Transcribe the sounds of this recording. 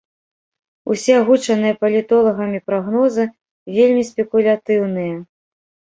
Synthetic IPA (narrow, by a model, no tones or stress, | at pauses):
ṵsʲɛaɣut͡ʂɐnɨjɐpɐlʲit̪ɔlˠɐɣɐmʲipɾaɣnɔzɨ | vʲelʲmʲispʲɛkulʲat̪ɨwnɨjɐ